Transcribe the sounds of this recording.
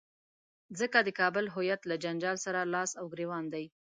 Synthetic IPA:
zəkad̪əkɑbəlɦʊjat̪lad͡ʒand͡ʒɑlsaɾalɑsawɡɾewɑnd̪aj

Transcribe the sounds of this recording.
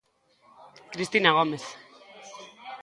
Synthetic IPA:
kɾist̪inaɣomes

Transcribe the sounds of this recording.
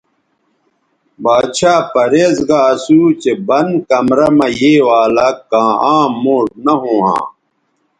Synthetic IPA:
baːɕʰaːpɐɾeːzɡaːsuːt͡ɕebɐnkɐmɾɐmɐjeːwaːlɐkːãːãːmːoːʈ̚nɐɦõːã̰ː

